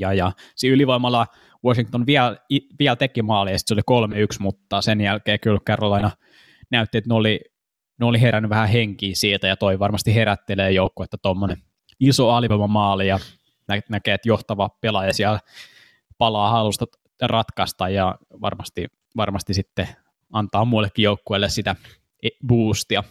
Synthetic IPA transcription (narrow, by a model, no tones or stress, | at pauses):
jɑjɑsiyliʋoimɑlːɑ | woʃiŋkt̪onʋiæliʋiælt̪ekimɑːlijɑsi̥t̪solikolmeyksmut̪ːɑːsenjælkeːkylkerːɑlːɑinɑ | næyt̪ːiet̪neoli | neoliheɾænːyʋæhæheŋkiːsiːlt̪æjɑt̪oiʋɑrmɑst̪iheɾæt̪ːeleːjoukːoet̪ːæt̪omːonen | isoɑljemɑmɑːlijɑ | nænækeːet̪joht̪ɑʋɑpelɑjɑsiæl | pɑlɑːhɑlust̪ɑ | rɑt̪kɑst̪ɑjjɑʋɑ̰rmɑst̪i | ʋɑrmɑst̪isit̪ːe | ɑnt̪ɑːmulːekːijoukːoelːessit̪æ | buːst̪iɑ